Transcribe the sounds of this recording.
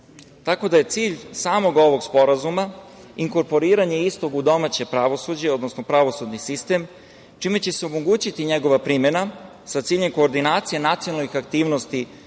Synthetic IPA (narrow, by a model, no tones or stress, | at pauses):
t̪ako̞d̪aje̞t̪siːʎsaːmo̞ɡo̞ʋo̞ɡspo̞ɾazuma | iŋko̞ɾpo̞ɾiːɾaɲe̞ist̪o̞ɡud̪o̞mat͡ɕe̞pɾaʋo̞sud͡ʑeo̞d̪nosnopɾaʋo̞sud̪nisist̪e̞m | t͡ʃime̞t͡ɕe̞seomoɡuːt͡ɕit̪iɲe̞ɡo̞ʋapɾime̞na | sat̪siːʎe̞mko̞ːɾd̪inaːt̪sijenat̪sijonalixakt̪iːʋno̞st̪i